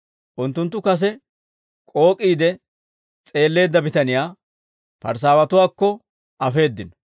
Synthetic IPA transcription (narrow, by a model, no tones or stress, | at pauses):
ʔʊnt̪ːʊnt̪ːʊkɐs̬ɛ | kʼo̞ːkʼiːd̪ɛ | t͡sʼe̞ːlːe̞ːd̪ːɐbɪt̪ɐnɪjaː | pɐ̰ɾs̬aːwɐt̪ʊwaːkːɔ | ʔɐfe̞ːd̪ːɪn